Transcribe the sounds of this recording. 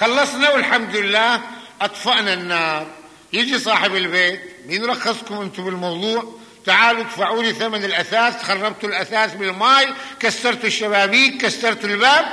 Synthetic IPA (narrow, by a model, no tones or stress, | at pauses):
xɑlːɑsˤnawɪlħamd̪lɪlːaːhʔɑt̪ˤfɑʔnanːɑːɾˤ | jɪd͡ʒisˤɑːħɪbɪlbeːt̪̚mnɾˤɑxːɑsˤkʊmʔɪnt̪ubɪlmɑwðˤuːʕ | t̪aʕaːlut̪faʕuːliθamanɪlʔaθaːst̪xɑrˤːɑbt̪ulʔaθaːsbɪlmaːjkasːɑɾˤt̪ʊʃːaβaːbiːkkasːɑɾˤt̪ʊlbaːb̚